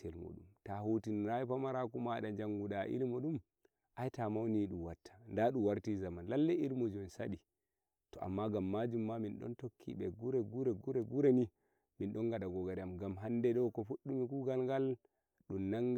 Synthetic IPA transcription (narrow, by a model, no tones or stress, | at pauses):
tɛlmɔ̰ɗumtahutinɾajipamaɾakumaɗad͡ʒaŋɡudaʔḭlimɔɗum | ʔajtamawniɗumwatːḁndaɗuwaɾtizamanlalːɛiɾmɔd͡ʒɔnsa̰ɗi | tɔa̰mːaɡamːad͡ʒumːaminɗɔ̰ntokʰːḭɓɛɡuɾɛɡuɾɛɡuɾɛɡuɾɛni | minɗɔnɡaɗaɡɔɡaɾɛamɡamɦandɛɗɔwkɔfuɗːumikuɡalɡal | ɗumnaŋɡ